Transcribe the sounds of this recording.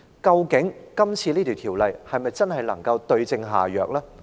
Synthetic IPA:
kɐ˧wkɪ˨˥ŋkɐ˥mt͡sʰiː˧liː˥t̪iː˨˩wt̪ʰiː˨˩wlɐ˨jhɐ˨jmɐ˨jt͡sɐ˥nɦɐ˨jlɐ̰˨˩ŋkɐ˧wt̪ɵ˧ɥt͡sɪ˧ŋɦa̰ː˨˩jœː˨k̚laː˥

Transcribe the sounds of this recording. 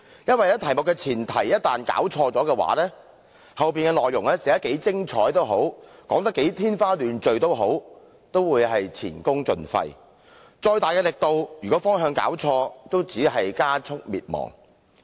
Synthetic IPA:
jɐ˥nwɐ˨jlɛː˥t̪ʰɐ˨˩jmʊ˨˩kːɛː˧t͡sʰiː˨˩nt̪ʰɐ̰˨˩jɐ˥t̚t̪aː˨nka̰ː˨˥wt͡ʃʰɔː˧t͡sɔː˨˥kɛː˧wa̰ː˨˥lɛː˥ | hɐ˨wp̬iː˨nkɛː˧lɔː˨jːʊ˨˩ŋlɛː˥sɛː˨˥ɐː˦˥ke˨˥jt͡sɪ˥ŋt͡ʃʰɔ̰ː˨˥jt̪o˥wɦo˨˥wkɔː˨˥ŋt̪̬ɐ˥kːe˨˥jt̪ʰiː˥nfaː˥lyː˨nt͡ʃɵ˨ɥt̪o˥wɦo˨˥w | t̪o˥wwuː˨˧jɦɐ˨jt͡sʰḭː˨˩nkʊ˥ŋt͡sɵ˨nfɐ̰˧j | t͡ʃɔː˧jt̪aː˨jkɛː˧lɪ˨k̚t̪o˨wjyː˨˩kɔ˨˥fɔː˥ŋɦœː˧ŋka̰ː˨˥wt͡ʃʰɔː˧t̪o˥wt͡siː˨˥ɦɐ˨jkaː˥t͡sʰʊ˥k̚miː˨t̚mɔ̰ː˨˩ŋ

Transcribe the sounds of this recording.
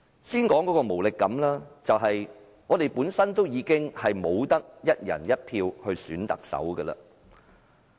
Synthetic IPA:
siː˥nkɔː˨˥ŋkɔː˨˧˥kɔː˧mo˨˩wlɪ˨kːɐ˨˥mlaː˥t͡sɐ˨wɦɐ˨j | ŋɔː˨˧t̪e˨jpuː˨˥nsɐ˥nt̪o˥wjiː˨˧kɪ˥ŋhɐ˨jmo˨˧wt̪ɐ˥k̚jɐ˥t̚jɐ̰˨˩njɐ˥t̚pʰiː˧whɵ˧ɥsyː˨˥nt̪ɐ̰˨k̚sɐ̰˨˥wɡəː˧lɐ̰ː˨

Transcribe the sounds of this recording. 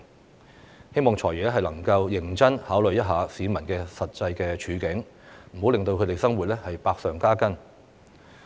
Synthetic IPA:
he˥jmɔː˨ŋt͡sʰɔː˨˩jɥyː˨ɛ˥ɦɐ˨jlɐ˨˩ŋkɐ˧wjɪ˨˩ŋt͡sɐ˥nhaː˨˥wlɵ˨ɥjɐ˥t̚ɦaː˨˧siː˨˧mɐ˨˩nkɛː˧sɐ˨t̚t͡sɐ˧jkɛː˧t͡ʃʰyː˨˧kɪ˨˥ŋ | m̩˨˩ho˨˥wlɪ˨ŋt̪o˧wkʰɵ˨˧t̪e˨˩sɐ˥ŋwu˨t̚lɛ˥hɐ˨jpaː˧k̚sœː˨ŋkaː˥kɐ˥n

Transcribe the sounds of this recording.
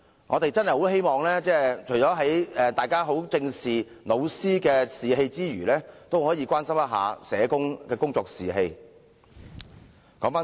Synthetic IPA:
ŋɔː˨˧t̪e˨jt͡sɐ˥nɦɐ˨˩ho˨˥wɦe˥jmɔː˨ŋlɛː˥t͡sɛː˥t͡ʃʰɵ˨˩jt͡sɔː˨˥ɦɐ˨˥jɛː˧˩t̪aː˨jkaː˥ɦo˨˥wt͡sɪ˧ŋsiː˨˩ | no˨˧wsiː˥kɛː˧siː˨ɦe˧jt͡siː˥ɥyː˨˩lɛː˥t̪o˥whɔː˨˥jiː˨˧kʷaː˥nsɐ˥mjɐ˥ɦa̰ː˨˧sɛː˨˧kʊ˥ŋkɛː˧kʊ˥ŋt͡sɔː˧k̚siː˨ɦe˧j | kɔː˨˥ŋfaː˥

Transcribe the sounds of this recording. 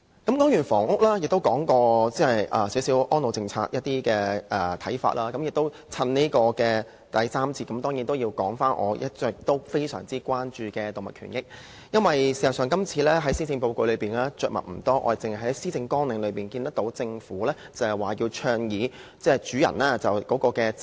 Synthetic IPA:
kɐ˨˦mkɔː˥ŋjyː˨˩fɔ̰ː˨˩ŋʊ˥k̚laː˥jɪ˨k̚t̪o˥wkɔː˨˥ŋkɔː˧t͡sɛː˥˨jʔɐː˨˩siː˨˥wsiː˨˥wʔɔː˥nlo˨˧wt͡sɪ˧ŋt͡sʰa̰ː˧t̚jɐ˥t̪̚ːiː˥kɛː˧ʔɛː˨˩t̪ʰɐ˨˥jfa̰ː˧t̚laː˥kɐ˨˦mjɪ˨k̚t̪o˥w | t͡sʰɐ˧nniː˥kɔː˧kɛː˧ | t̪ɐ˨jsaː˥mt͡sʰiː˧t̚kɐ˨˥mt̪ɔː˥ŋjiː˨˥nt̪o˥wjiː˧wkɔː˨˥ŋfaː˥nʔɔ̰ː˨˧jʔɐ˥t̚t͡ʃœː˧k̚t̪o˥wfe˥jsœ̰ː˨˩ŋt͡siː˥kwaː˥nt͡ʃyː˨kɛː˧t̪o˨wmɐ˨tkʰy̰ː˨˩njɪ˥k̚ | jɐ˥nwɐ˨jsi˨˩sɐ˨˩sœː˨˩ŋkɐ˥mt͡sʰiː˧lɛː˥ɦɐ˨˥jsiː˥t͡sɪ˧ŋpo˧wko˧ɥlɵ˨˧ɥpiː˨˩nlaː˥t͡ʃœː˨mɐ̰˨t̚m̩˨˩t̪ɔː˥ʔɔ̰ː˧˨t͡sɪ˨ŋhɐ˨˩ɦɐ˨˦˥siː˥t͡sɪ˧ŋkɔː˥ŋnɪ˨˧ŋlɵ˨˧piː˨˩nkiː˧nt̪ɐ˥k̚t̪o˨˥wt͡sɪ˧ŋfuː˨˥lɛː˥t͡sɐ˨ɐ˨˩waː˨˩jiː˧wt͡ʃʰœː˧ŋjiː˨˧t͡sɛː˥˨t͡ʃyː˨˥jɐ̰˨˩nlaː˥t͡sɐ˨wkɔː˨˥kɔː˧kɛː˧

